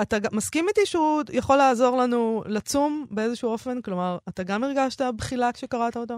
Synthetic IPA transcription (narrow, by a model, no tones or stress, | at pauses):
at̪aɡamaskimit̪iʃeujaχo̞laːzo̞ʁlanulat͡sumbe̞e̞zeʃuo̞fe̞nklo̞maʁat̪aɡamiʁɡaʃt̪abχilakʃe̞kaʁat̪aot̪a